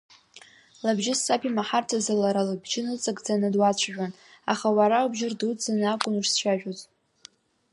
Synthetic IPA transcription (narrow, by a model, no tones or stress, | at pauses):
labʒɪsːapʰimaħartʰazalaɾalabʒɪnɨt͡sʼakʼd͡zanɨdwat͡ɕʷʰaʒᶣan | a̰χawaɾaubʒɪrdud͡zanakʷʼʊnuʃsʃaʒᶣozʼ